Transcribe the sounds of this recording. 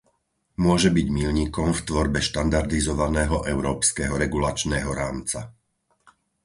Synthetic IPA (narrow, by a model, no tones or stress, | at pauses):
mʊɔʒɛbiɟmilɲiːkɔmft̪ʋɔɾbɛʃt̪and̪aɾd̪izɔʋanɛːɦɔʔɛʊɾɔːpskɛɦɔɾɛɡulat͡ʃnɛːɦɔɾaːmt͡sa̰